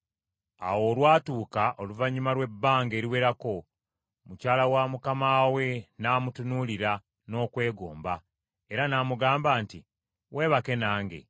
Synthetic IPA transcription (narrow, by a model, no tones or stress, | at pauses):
a̰wo̞ːlwaːtuːkaʔo̞luvaɲumaɾwe̞bːaːŋɡe̞ːɾiwe̞ɾako̞ | mucaːlawamukamaːwe̞naːmutunuliɾa | no̞ːkwe̞ːɡoːmba | e̞ɾanaːmuɡaːmbaːnti | we̞ːβake̞naːŋɡe̞̰